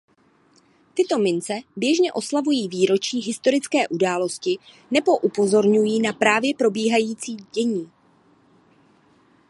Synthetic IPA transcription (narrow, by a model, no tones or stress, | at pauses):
t̪ɪt̪o̞mɪnt͡sɛbjɛʒɲɛʔo̞slavujiːviːɾo̞t͡ʃiːɦɪst̪o̞ɾɪt͡skɛːʔudaːlo̞scɪ | nɛbo̞ʔupo̞zo̞ɾɲujiːnapɾaːvjɛpɾo̞biːɦajiːt͡siːɟɛɲiː